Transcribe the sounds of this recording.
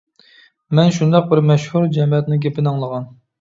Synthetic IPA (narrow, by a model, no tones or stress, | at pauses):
mɛnʃund̪ɑq̚bɪɾmɛʃhuɾd͡ʒɛmɛt̪nɪɡʲepɪnɑŋlˠəʁɑn